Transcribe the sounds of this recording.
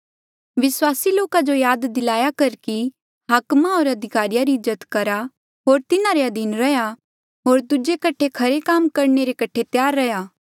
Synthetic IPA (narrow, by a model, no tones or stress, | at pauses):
ʋɪswaːsiloːkad͡ʒojaːd̪d̪ɪlaːjakɐɾki | ɦaːkmaoːɾɐd̪ʱɪkaːɾijaɾiʊd͡ʒət̪kɐɾa | ɦoːɾt̪ɪnaɾeɐd̪iːnɾɐja | ɦoːɾd̪ʊd͡ʒekɐʈʰekʰɐɾekaːmkɐɾneɾekɐʈʰet̪jaːɾːɐjaː